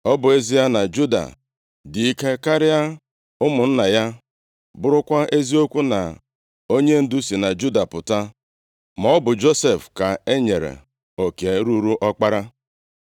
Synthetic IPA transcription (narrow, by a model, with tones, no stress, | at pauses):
ɔ˦bʊ˨e˦zi˦ja˦na˨d͡ʒu˦da̰˨ | dɪ˨i˦ke˦ka˦ɾɪ˦a˦ | ʊ˦mʊ˨n̩˦na˨ja˦ | bʊ˦ɾʊ˦kʷa˦ʔe˦zi˦o˦kʷu˦na̰˨ | o˦ɲe˦n̩˦dʊ˦si˨na˨d͡ʒu˦da˨pʊ˨ta˦ | mɔ˦bʊ˨d͡ʒo˦se˨fka˨e˦ɲe˨ɾḛ˨ | o˨ke˨˦ɾu˦ɾu˦ʔɔ˦k͡pa˦ɾa˦